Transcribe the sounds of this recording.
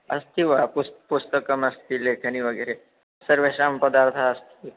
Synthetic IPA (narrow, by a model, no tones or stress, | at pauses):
ɐ̰st̪iʋapustpust̪əkəmɐst̪ilekʰəniʋəɡəɾe | səɾʋeʃampəd̪aɾt̪ʰaəst̪ʰi